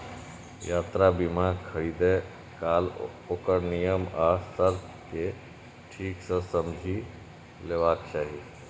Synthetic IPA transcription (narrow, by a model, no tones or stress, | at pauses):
jaːt̪ɾabimãkʰəɽiːd̪e | kaːl | oːkəɾnijəmaːsəɾt | ke | ʈʰiːksə̃səmd͡ʒʱi | leːʋaːkt͡ʃaːɦi